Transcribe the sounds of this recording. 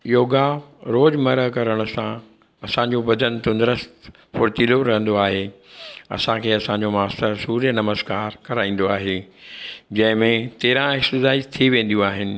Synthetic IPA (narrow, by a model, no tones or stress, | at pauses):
joːɡaɾoːd͡ʑmɐɾəɦkɐɾəɽ̃ʊ̆sã | ɐsãɲd͡ʑoʋɐd̪ʱənt̪ʊ̃nd̪ɾəst̪ | pʰʊɾt̪iːloɾɐɦə̃nd̪oaːɦeɐ̰sãkʰeːɐsãɲd͡ʑomaːst̪əɾsuːɾjənɐməzkaːɾkɐɾaːĩːn̆d̪oaːɦe | d͡ʑɐ̃ɦɪ̃mẽt̪eːɾãɪkt̪ɪzaːɪd͡ʑt̪ʰiʋẽːn̆d̪jũaːɦɪnɪ̆